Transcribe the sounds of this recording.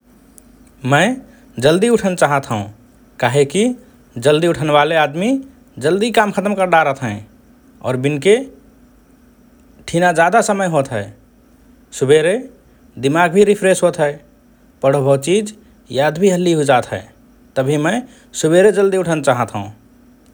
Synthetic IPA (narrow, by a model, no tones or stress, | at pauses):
mə̃ɪ | d͡ʒəld̪iuʈʰənt͡ʃaɦət̪ɦũ | kaːɦeki | d͡ʒəld̪iuʈʰənʋalead̪mi | d͡ʒəld̪ikamkʰət̪əmkəɾd̪aɾət̪ʰɦɛ̃ | ɔ̰ːɾbinke | ʈʰinad͡ʒad̪asəməjɦot̪ɦɛɪ | subeɾe | d̪imaɡbʱiɾipʰɾesɦot̪ɦɛɪ | pəɽ̤əbʱət͡ʃid͡ʒ | jad̪bʱiɦəlːiɦod͡ʒat̪ɦɛ̰ɪ | t̪əbʱimə̃ɪ | subeɾed͡ʒəld̪iuʈʰənt͡ʃaɦət̪ɦə̃ũ